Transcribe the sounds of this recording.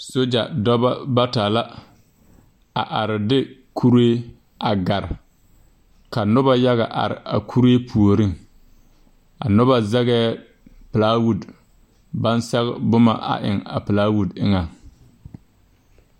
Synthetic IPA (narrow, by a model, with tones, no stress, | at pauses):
so˦d͡ʒa̰˨dɔ˦ba˦ba˦taː˨la˦ | a˨ʔa˨ɾɪ˨dɪ˦kʰu˦ɾeː˦ | a˨ɡa˨ɾɪ˨ | ka˨nʊ˦ba˦ja˦ɣa˨ʔa̰˨ɾɪ̰˨a̰˨kʰu˦ɾe˦pʰu˨o˨ɾi˦ŋ | a̰˨nʊ˦ba˦za˦ɣɛː˦ | pɪ˨laː˦wu˦d | ba˦nsa˦ɣ̰bʊ˦ma̰˨ʔa̰˨ʔɪ̰˨ŋa̰˨pɪ˨laː˦wu˦˨dɪ˦ŋa˨ŋ